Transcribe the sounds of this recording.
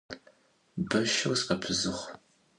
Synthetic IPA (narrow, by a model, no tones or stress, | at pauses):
bɐʃɐwsqɐpʰɨzɨχʷ